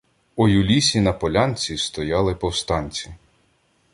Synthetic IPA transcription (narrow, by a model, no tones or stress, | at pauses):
ujʊlʲisʲinɐpɔlʲɑnʲt͡sʲist̪ɔjɑlˠɪpɔwst̪ɑnʲt͡sʲi